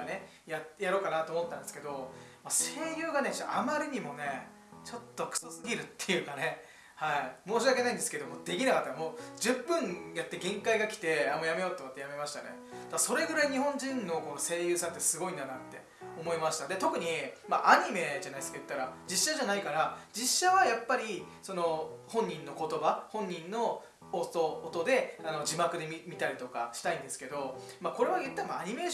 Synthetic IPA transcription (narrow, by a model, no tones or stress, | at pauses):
ne̞ | jajaɾo̞ːkanat̪oːmot̪ːãnd̪esɨ̥ke̞d̪o̞mase̞ːjɯ̟ːɡane̞t͡ɕa̰ʔamaɾʲɯɲ̟imo̞ne̞ | t͡ɕo̞t̪ːo̞kɯ̥sosɨɡʲiɾɯ̟t̪ːe̞jɯ̟ːkane̞ | haimo̞ːɕ̬iake̞naĩnd̪esɨ̥ke̞d̪omo̞d̪e̞kʲinakat̪ːamoːd͡ʑɨpːɯ̟̃ŋjat̪ːe̞ɡẽ̞ŋkaiɡakʲi̥t̪e̞amojame̞ot̪okat̪ːejame̞maɕi̥t̪a̰ne̞̰ | d̪̥aso̞ɾe̞ɡɯ̟ɾaiɲ̟iɦõ̞ɲd͡ʑĩnːo̞ko̞nose̞ːjɯ̟ːsãnt̪ːesɨɡo̞ĩnd̪anãnt̪ːe̞ | omo̞imaɕi̥t̪ad̪e̞t̪o̞kɯ̟ɲ̟imaʔaɲ̟ime̞ʑanaisɨ̥kajɯ̟t̪ːaɾad͡ʑiɕːaʑanaikaɾad͡ʑiɕːaβajapːaɾʲi | so̞no̞hõ̞ɲ̟ːĩnːo̞ko̞t̪o̞bahõ̞ɲ̟ːĩnːo̞ː | soːt̪o̞d̪e̞ano̞d͡ʑimakɯ̟d̪e̞mʲimʲit̪aɾʲit̪o̞ka̰ɕi̥t̪aĩnd̪e̞sɨ̥ke̞d̪o̞ | mako̞ɾe̞βajɯ̟t̪ːaimaaɲ̟ime̞ː